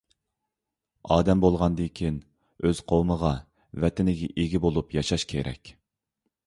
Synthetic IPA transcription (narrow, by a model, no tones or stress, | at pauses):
ɑːd̪ɛmbolˠʁɑnd̪ekʲʰin | øz̥qʰowməʁɑ | vɛt̪ʰɪnɪɡʲɛʔeɡʲibolˠupjɑʃɑʃkʲʰeɾɛ̰kʲ